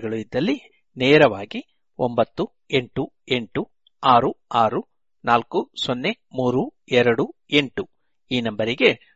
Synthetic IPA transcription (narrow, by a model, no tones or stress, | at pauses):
ɡɐɭuid̪ːɐlːi | neːɾɐʋaːɡi | ombɐt̪ːu | e̞ɳʈu | e̞ɳʈu | aːɾuaːɾu | naːlkusonːe̞ | muːɾuɛɾɐɽu | e̞ɳʈu | iːnɐmbɐɾiɡe̞